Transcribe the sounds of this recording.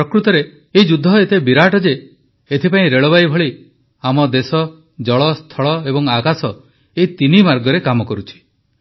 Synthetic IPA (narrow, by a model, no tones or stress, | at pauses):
pɾɔkɾut̪ɔɾeː | id͡ʒud̪ʱːɔet̪ebiɾaʈɔd͡ʒeː | t̪ʰipaĩɾeɭɔbaibʱɔɭi | amɔd̪esɔ | d͡ʒɔɭɔst̪ʰɔɭɔebɔŋakasɔ | eit̪inimaɾɡɔɾekamɔkɔɾut͡ʃʰi̥